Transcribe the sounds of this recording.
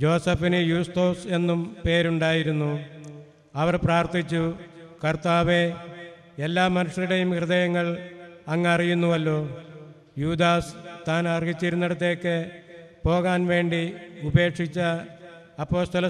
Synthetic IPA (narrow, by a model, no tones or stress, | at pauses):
d͡ʑo̞ːsɐfinɨjuːst̪o̞ːse̞nːumpe̞ːɾuɳɖaːjiɾunːu | ɐʋɐrpraːrt̪it͡ɕːukɐrt̪aːʋe | elːaːmɐnuʂɐɾiɽe̞jumkrɨðɐjɐŋːɐɭɐŋːeɐrijunːuʋɐlːo̞ː | juːd̪aːst̪aːnɐrɡit͡ɕːiɾunːeɽɐt̪̬ːe̞ːkːɨpo̞ːɣaːnʋe̞ːɳɖiube̞ːkʂit͡ɕːɐ | ɐpːo̞ːst̪ɐlɐ